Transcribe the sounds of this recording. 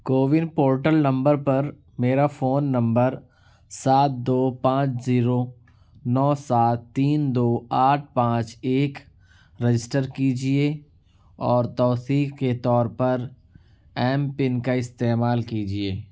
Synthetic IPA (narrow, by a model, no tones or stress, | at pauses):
koːʋɪnpoːɾʈəlnɐ̃mbəɾpɐɾ | meːɾafoːnːɐ̃mbəɾ | saːt̪̚d̪oːpãːt͡ʃziːɾoː | nɔːsaːt̪ːiːnd̪oːaːʈ̚ʰpãːt͡ʃeːk | ɾəd͡ʒɪsʈəɾkiːd͡ʒieː | ɔːɾt̪ɔːt̪iːkket̪ɔːɾpɐɾ | ɛːmpɪnkaɪst̪eːmaːlkiːd͡ʒieː